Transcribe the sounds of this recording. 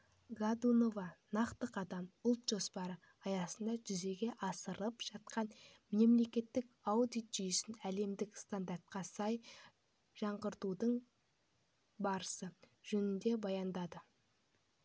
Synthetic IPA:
ɡad̪uno̞vɑnɑqt̪əqɑd̪ɑmʊlˠt̪ʒ̥o̞spɑɾə | ɑjɑsənd̪ɑʒʏze̞ɡʲe̞ʔɑsəɾəpʒ̥ɑt̪qɑn | me̞mle̞kʲe̞t̪ːɪkawd̪ijt̪ʒ̥ʏjʏsɪnæle̞md̪ɪkst̪and̪aɾt̪̚qɑsɑj | ʒ̥ɑɴʁəɾt̪ud̪əɴ | bɑɾəsəʒ̥ɵnɪnd̪e̞bɑjɑnd̪ɑd̪ə

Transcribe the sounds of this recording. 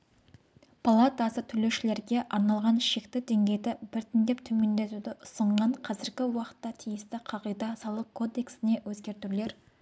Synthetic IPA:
pʰalˠat̪ɑsət̪ʰʏle̞ʃɪle̞ɾɡʲe̞ʔɑɾnɑlˠʁɑnʃe̞kt̪ɪd̪e̞ŋɡʲe̞jd̪ɪbɪɾt̪ɪnd̪e̞pt̪ʰɵme̞nd̪e̞t̪ud̪ɪʔʊsəɴʁɑɴqʰɑzɪɾɡʲɪwɑqə̥t̪ːɑt̪ʰijɪst̪ɪqʰɑʁəjd̪ɑsɑlˠəq̚kʰo̞d̪e̞ksɪne̞wɵzɡʲe̞ɾt̪ule̞ɾ

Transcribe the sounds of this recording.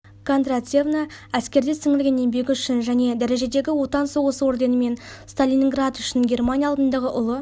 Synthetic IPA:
kʰond̪ɾat̪sʲe̞vnaæskʲe̞ɾd̪esɪŋɪlɡʲene̞mbe̞ɡʲɪʏʃɪnʒæne̞d̪æɾe̞ʒe̞d̪eɡʲɪwo̞t̪ɑnsəwosəwo̞rd̪e̞nəme̞nst̪alʲinʲiŋɡrat̪ʏʃɪnɡʲe̞rmanʲijaɑlˠd̪ənd̪ɑʁəʔʊlˠə

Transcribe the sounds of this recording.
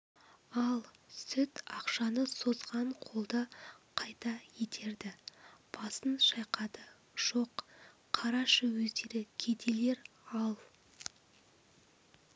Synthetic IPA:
ɑlˠsʏt̪ɑqʃɑnəso̞zʁɑɴqʰo̞lˠd̪əqʰɑjt̪ɑjet̪ʰe̞ɾd̪ɪb̥ɑsənʃɑjqɑd̪ə | ʒ̥o̞q | qʰːɑɾɑʃəwɵzd̪eɾɪkʲʰe̞d̪e̞le̞ɾ | ɑlˠ

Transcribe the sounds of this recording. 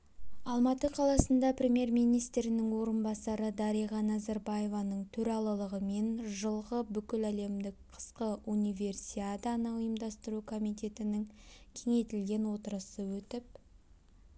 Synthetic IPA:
ɑlˠmɑt̪əqʰɑlˠɑsənd̪ɑprʲe̞mʲje̞rmijnijst̪ɾɪnɪŋwo̞ɾənbɑsɑɾəd̪ɑɾijʁɑnɑzɑɾbaje̞vɑnəɴt̪ʰɵɾɑlˠəlˠəʁəme̞nʒəlˠʁəbʏkʲɪlæle̞md̪ɪk̚qʰə̥sqəʔunijvʲe̞rsiat̪ɑnəʊjəmd̪ɑst̪əɾukʰo̞mijt̪ʲe̞t̪ɪnɪŋkʲʰe̞ŋe̞t̪ɪlɡʲe̞nwo̞t̪əɾəsəwɵt̪ɪp̚

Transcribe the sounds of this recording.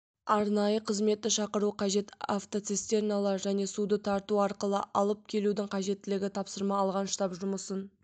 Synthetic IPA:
ɑɾnɑjəqʰəzme̞t̪ːɪʃɑqəɾuqʰɑʒe̞t̪aft̪ot̪sest̪e̞rnalˠɑɾʒæne̞sud̪ət̪ʰɑɾt̪uɑɾqəlˠəʔɑlˠəp̚kʲʰe̞lud̪ɪŋqʰɑʒe̞t̪ːɪlɪɡʲɪt̪ʰɑpsəɾmɑːlˠʁɑnʃt̪ɑpʒʊməsən

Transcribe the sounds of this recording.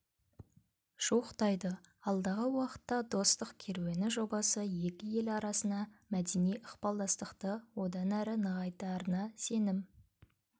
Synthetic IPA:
ʒ̥uəqt̪ɑjd̪əɑlˠd̪ɑʁəwɑqə̥t̪ːɑd̪o̞st̪əqkʲʰe̞ɾwe̞nɪʒo̞bɑsəje̞kʲɪje̞lɑɾɑsənd̪ɑmæd̪e̞nijʔəqpɑlˠd̪ɑst̪əqt̪əwo̞d̪ɑnæɾɪnəʁɑjt̪ɑɾənɑse̞nɪm

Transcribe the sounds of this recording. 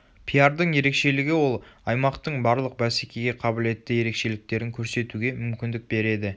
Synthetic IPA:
pʰijaɾd̪əɴje̞ɾe̞kʃe̞lɪɡʲɪwo̞lˠɑjmɑqt̪əɴbɑɾlˠəq̚bæsekʲʰe̞ɡʲe̞qʰɑbɪle̞t̪ːɪje̞ɾe̞kʃe̞lɪk̚t̪e̞ɾɪŋkʲʰɵɾse̞t̪uɡʲe̞mʏmkʲɪnd̪ɪk̚be̞ɾe̞d̪ɪ

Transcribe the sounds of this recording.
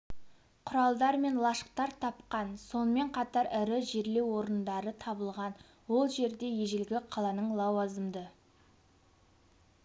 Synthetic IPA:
qʰʊɾɑlˠd̪ɑɾme̞nlˠɑʃə̥q̚t̪ɑɾt̪ʰɑpqɑnso̞nəme̞ɴqʰɑt̪ɑɾɪɾɪʒeɾle̞wo̞ɾənd̪ɑɾət̪ʰɑbəlˠʁɑn | wo̞lˠʒe̞ɾd̪e̞jeʒɪlɡʲɪqʰɑlˠɑnəɴlˠɑwɑzəmd̪ə

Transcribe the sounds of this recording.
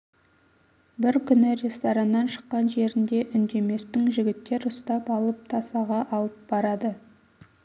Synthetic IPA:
bɪɾkʲʰʏnɪɾʲe̞st̪oɾɑnːɑnʃə̥qːɑnʒe̞ɾɪnd̪e̞ʔʏnd̪e̞me̞st̪ɪŋʒɪɡʲɪt̪ːe̞ɾʊst̪ɑpɑlˠəp̚t̪ʰɑsɑʁɑʔɑlˠəp̚bɑɾɑd̪ə

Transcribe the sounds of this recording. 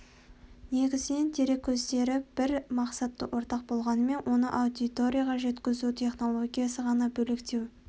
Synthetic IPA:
ne̞ɡʲɪzɪne̞nt̪ʰe̞ɾe̞kʲʰːɵzd̪e̞ɾɪb̥ɪɾmɑqsɑt̪ːə̰wʔo̞ɾt̪ɑq̚bo̞lˠʁɑnəme̞nwʔo̞nə̰ʔɑwd̪it̪o̞ɾʲijaʁɑʒe̞t̪kʲɪzut̪ʲʰe̞χno̞lˠo̞ɡʲijasəʁɑnɑbɵlɪkt̪e̞w

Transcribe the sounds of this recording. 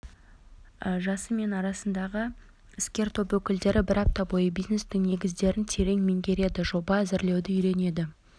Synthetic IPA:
əʒɑsəme̞nɑɾɑsənd̪ɑʁə | ɪskʲe̞ɾt̪ʰo̞pwɵkʲɪld̪e̞ɾɪbɪɾɑp̚t̪ɑbo̞jəbijzne̞st̪ɪŋne̞ɡʲɪzd̪e̞ɾɪnt̪ʰe̞ɾe̞ŋmɪŋɡʲe̞ɾe̞d̪ɪʒo̞bɑæzɪɾle̞wd̪ɪʏjɾe̞ne̞d̪ɪ

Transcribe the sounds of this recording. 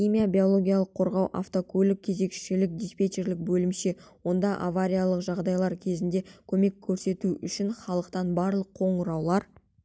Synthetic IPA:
χimijabʲijo̞lˠo̞ɡʲijalˠəqʰːo̞ɾʁɑwʔa̰ft̪okʲʰɵlɪk̚ʲʰːe̞ze̞kʃɪlɪk̚d̪ispʲe̞t̪eɾlɪk̚bɵlɪmʃe̞wo̞nd̪ɑʔavaɾʲijalˠəqʒɑʁd̪ɑjlˠɑɾkʲʰe̞zɪnd̪e̞kʲʰɵme̞kʲʰːɵɾse̞t̪uʏʃɪnχɑlˠəqt̪ɑnbɑɾlˠəqʰːo̞ɴʊɾɑwlˠɑɾ

